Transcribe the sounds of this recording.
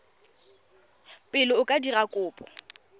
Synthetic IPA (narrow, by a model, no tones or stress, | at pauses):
pʼɪlɔʊkʼadirakʼʊːpʼɔ̥